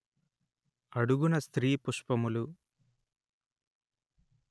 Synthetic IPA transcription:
ɐɽuɡunɐst̪ɾiːpuʂpɐmulu

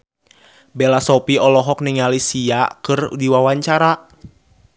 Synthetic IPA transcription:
bɛlasɔpiɔlɔɦɔk̚niŋalisiakɨrdiwawaɲt͡ʃaɾa

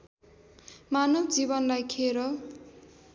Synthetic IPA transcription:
manʌbd͡zibʌnlajkʰeɾʌ

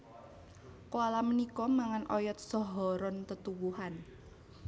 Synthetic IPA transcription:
koalamənikɔmaŋanʔɔjɔt̪̚sɔɦɔɾɔnt̪ət̪uwuhan

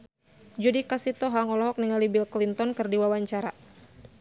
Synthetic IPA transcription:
d͡ʒudikasit̪ɔɦaŋɔlɔɦɔk̚niŋalibilklint̪ɔnkɨrdiwawaɲt͡ʃaɾa

